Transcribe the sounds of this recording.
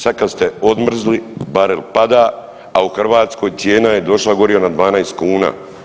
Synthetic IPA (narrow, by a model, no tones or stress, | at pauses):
sad̪kast̪eo̞d̪mr̩zlibaɾelpad̪aː | auxr̩ʋaːt̪sko̞ːjt̪sje̞ːnajed̪o̞ʃlaɡo̞ɾio̞nad̪ʋaːnajst̪̚kuːna̰ː